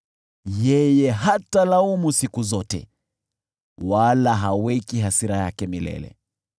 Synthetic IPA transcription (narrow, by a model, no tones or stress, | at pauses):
jɛjɛɦatalaumusikuzɔtɛ̰ | walaɦawɛkiɦasiɾajakɛmilɛ̰lɛ̰